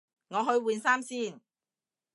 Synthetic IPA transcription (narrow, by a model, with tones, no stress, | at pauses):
ŋɔː˨˧ɦɵ˨˧ɥwuː˨nsaː˥msiː˥˩n